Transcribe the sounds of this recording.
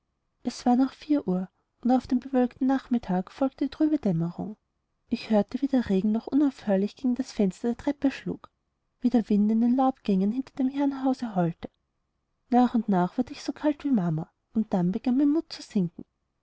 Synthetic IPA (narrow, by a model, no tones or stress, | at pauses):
ʔɛsv̥aːɐnaχfiːɐʔuːɐ | ʔʊntaʊfd̥eːmbəvœlktn̩naχmɪtʰaːkfɔlk̚təd̥itʁ̥yːbəd̥ɛməʁʊ̰ŋ | ʔɪçhøːɐtəviːdeːɐʁeːɡŋ̩nɔχʔʊnaʊfhøːɐlɪçɡ̥eːɡŋ̩d̥asfɛnstɐd̥eːɐtʁ̥ɛpəʃlṵːk | v̥iːdeːɐvɪntɪndenlaʊpɡ̥ɛŋənhɪntɐd̥eːmhɛɐnɦaʊzəɦɔltə̥ | naːχʊntnaːχv̥ʊɐdəɪçsokʰaltv̥iːmamɐ | ʊnt̚d̥anbəɡ̥anmaɪnmʊt̚t͡suz̥ɪŋkŋ̩